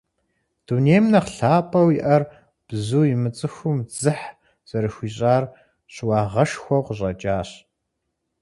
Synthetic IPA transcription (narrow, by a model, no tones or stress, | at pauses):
d̥uneːjmnɐqɬaːpʼɐwiʔɐr | b̥zuːjɪmɨt͡sʼɨxʷʊmd͡zɨħ | z̥ɐɾɨxʷiːɕʼaːr | ɕɪwɑːʁɐʃxʷɔqʷəɕʼɐt͡ʃʼaːɕ